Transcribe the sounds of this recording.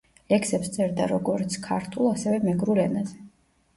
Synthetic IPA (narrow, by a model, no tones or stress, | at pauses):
lɛksɛpst̪sʼɛɾd̪a̰ɾɔɡɔɾt̪sʰkʰa̰ɾt̪ʰulˠasɛvɛmɛɡɾulɛnazɛ